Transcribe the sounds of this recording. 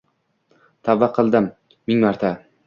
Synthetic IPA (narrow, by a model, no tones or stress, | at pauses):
t̪ʰavːaqʰɨlˠd̪ɪmː | ɪŋmaɾt̪ʰa